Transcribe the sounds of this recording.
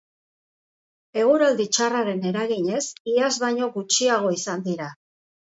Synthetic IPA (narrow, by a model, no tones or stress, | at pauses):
e̞ɣ̞uɾald̪it͡ʃaraɾe̞ne̞ɾaɣiɲe̞siazbaɲo̞ɣut͡ʃiaɣ̞o̞isand̪iɾa